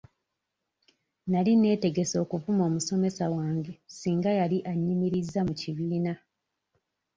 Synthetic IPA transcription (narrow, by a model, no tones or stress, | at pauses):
naline̞ːte̞ɡe̞so̞ːkuvumo̞ːmuso̞me̞sawaːŋɡe̞siːŋɡajaliʔaɲːimiɾizːamuciβiːna